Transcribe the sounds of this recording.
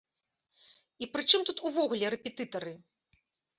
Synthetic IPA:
ipɾɨt͡ʂɨmt̪ut̪uvɔɣlʲɛɾɛpʲɛt̪ɨt̪ɐɾɨ

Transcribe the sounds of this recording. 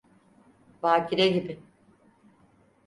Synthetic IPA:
vaːcʰiɾɛɟibɪ

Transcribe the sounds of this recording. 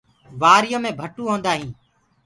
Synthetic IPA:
ʋaːɾɪjõːmẽːbʱəʈuːɦõːnd̪aːɦĩː

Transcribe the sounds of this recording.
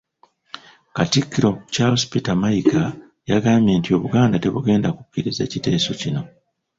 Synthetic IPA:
katikːiɾo̞caho̞spitamaika | jaɡaːmje̞ːntio̞βuɡaːndate̞βuɡe̞ːndaku̥kːiɾize̞̰ːcite̞ːso̞cino̞

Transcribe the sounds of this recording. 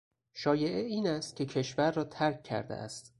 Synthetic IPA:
ʃɒːje̞ʔeiːnæst̪̚kʲʰe̞cʰe̞ʃvæɾːɒːt̪ʰæɾkʰːæ̰ɾd̪ḛʔæ̰st̪

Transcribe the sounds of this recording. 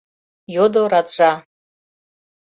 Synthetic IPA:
jod̪oɾaʈ͡ʂʷa

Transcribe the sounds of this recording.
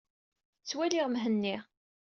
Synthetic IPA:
t͡sːwæliʁmɦənːi

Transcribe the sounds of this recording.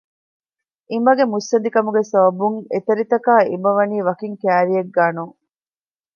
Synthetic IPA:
ʔimɐɡemusːɐnd̪ikɐmuɡesɐbɐbuŋet̪ɐɾit̪ɐkaːimɐʋɐniːʋɐkiŋkæːɾieɡːaːnuŋ

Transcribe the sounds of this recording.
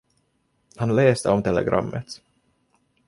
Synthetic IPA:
hanleːst̪əɔmt̪ʰɛlɛ̰ɡɾʔa̰mːət̪

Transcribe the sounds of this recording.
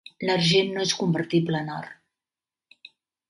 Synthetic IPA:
lərʒenːoeskumbəɾt̪ibləːnar

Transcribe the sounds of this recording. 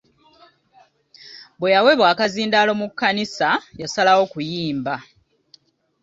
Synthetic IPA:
bwejawe̞βwaːkaziːndaːlo̞mukːanisajasalawo̞kujiːmba

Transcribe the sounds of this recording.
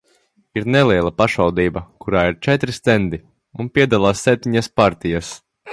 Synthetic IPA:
iɾnɛlˠiɛlˠapaʃvawd̪iːbɐkuɾaːiɾt͡ʃɛt̪ɾist̪ɛnd̪i | unpʲiɛd̪alˠaːsːɛp̚t̪iɲaspaɾt̪ijas

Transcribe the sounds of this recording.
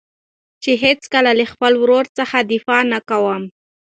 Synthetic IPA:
t͡ʃeɦet͡skəlaləxpəlwɾoɾt͡səxad̪ɪfɑnakawəm

